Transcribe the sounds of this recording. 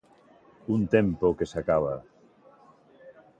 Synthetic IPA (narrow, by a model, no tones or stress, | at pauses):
unt̪empokesakaβa